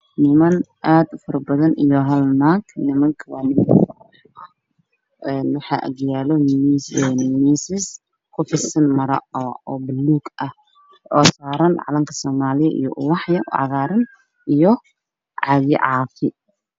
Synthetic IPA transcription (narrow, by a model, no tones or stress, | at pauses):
nɪmɐnʔaːd̪ʊfɐɾɐbɐðɐnʔijɔɦɐlnaːɡnɪmɐŋkʰɐwɑ̰ːnɪmɐ | ɐ | ʔɛnwɑħɑ̰ːʔɐ̰ɣjaːlɔmisnmiːsɪs | kʰʊfɪsɐnmɐɾɐ̰ɔːbɐluːɡɐh | ɔːsaːɾɐnʕɑ̰lɐŋkʰɐ̥sɔːmaːlɪjɐʔḭjɔ̰ʔʊwɑħjɐʊʕɑ̰ɣaːɾɪn | ʔijɔ | ʕɑjɪ̰ʕɑːfɪ